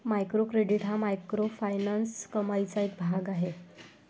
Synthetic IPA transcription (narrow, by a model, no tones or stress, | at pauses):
majkɾokɾeɽiʈɦamajkɾofajnanskəmajt͡saek̚bʱaɡaɦe